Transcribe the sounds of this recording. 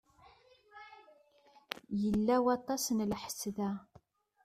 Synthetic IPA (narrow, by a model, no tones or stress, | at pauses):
jəlːæwɑt̪ˤːɑsnlħə̥sðæ